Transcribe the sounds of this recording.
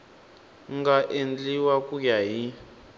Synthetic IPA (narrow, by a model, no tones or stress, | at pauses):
ŋɡaʔend͡ɮiwakukaɦi